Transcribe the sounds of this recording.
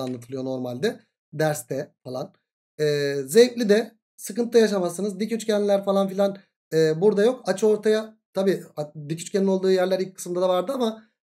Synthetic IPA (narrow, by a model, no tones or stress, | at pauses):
anlˠat̪ʰɯlˠɯjo̞no̞ɾmalʲd̪ɛ | d̪æɾst̪ʰɛfalˠan | ɛːzejc̪lʲid̪ɛ | sɯkɯnajaʃamasɯnɯzd̪icyt͡ʃcʰɛnʲlʲæɾfalˠanfilʲan | ɛːbuɾd̪ajo̞kat͡ʃʰo̞ɾt̪ʰajat̪ʰabiːad̪icʰy̥t͡ʃcʰʲenino̞lˠd̪uːjæɾlʲæɾilʲc̚kʰːɯ̥sɯmd̪ad̪avaɾd̪ɯama